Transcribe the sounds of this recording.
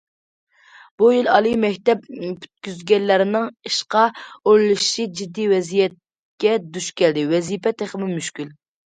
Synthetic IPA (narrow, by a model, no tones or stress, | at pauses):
b̥ujilɑlˠɨmɛkʲt̪ɛpby̥t̪̚kʲyzɡʲɛnːæɾɪnɪŋiʃqɑoɾlˠɨʃid͡ʒid̪ːiwɛzijɛt̪̚ | kʲɛd̪yʃkʲɛld̪ɪwɛzijpɛt̪ʰeχmɪmyʃkʲyl